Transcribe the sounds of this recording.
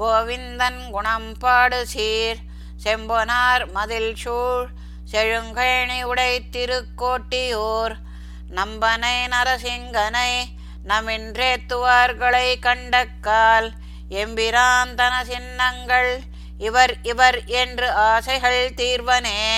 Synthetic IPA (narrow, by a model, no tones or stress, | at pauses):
ɡoːʋɪnd̪ɐnɡʊɳɐmpaːɽɯsiːɾ | sembonaːɾmɐðɪlʂuːɻ | seɻɯŋɡɐjɳiʊɽɐɪt̪ːɪɾɯkːoːʈːijoːɾ | nɐmbɐnɐɪnɐɾɐsɪŋɡɐnɐɪ | nɐmɪnrɾeːt̪ːɯʋaːɾɡɐɭɐɪkɐɳɖɐkːaːl | embɪɾaːnt̪ɐnɐsɪnːɐŋɡɐɭ | ɪʋɐɾɪʋɐɾendrɯaːsɐɪɣɐɭt̪iːɾʋɐneː